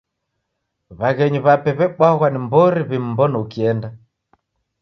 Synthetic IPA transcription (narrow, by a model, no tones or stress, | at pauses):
βaɣɛɲuβapɛβɛɓwaɣwanimbɔɾiβim̩bɔnɔukiɛnda